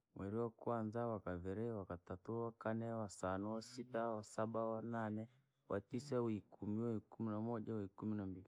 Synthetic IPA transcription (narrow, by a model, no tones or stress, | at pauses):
mwɛɾiwakwanzawakavɛɾɛwakatatuwakanɛwasanuwasitawasaɓawananɛ | wʔatisawikʰumiwaikuminamɔʄawikuminambili